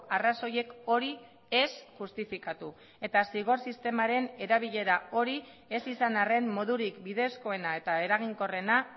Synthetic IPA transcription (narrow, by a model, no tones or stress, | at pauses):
araso̞je̞ko̞ɾi | e̞sʝust̪ifikat̪u | e̞t̪asiɣ̞o̞ɾsist̪e̞maɾe̞ne̞ɾaβ̞iʎe̞ɾao̞ɾi | e̞sisanare̞mmo̞ðuɾikbiðe̞sko̞e̞nae̞t̪ae̞ɾaɣ̞iŋko̞re̞na